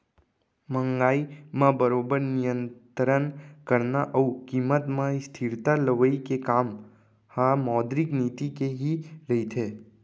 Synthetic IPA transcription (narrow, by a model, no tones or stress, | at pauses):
məŋɡaimãbəɾobəɾnijənt̪ɾənkəɾnaʔəukimːət̪mãist̪ʰiɾt̪aləʋəikekam | hamɔd̪ɾiknit̪ikeɦiləit̪ʰe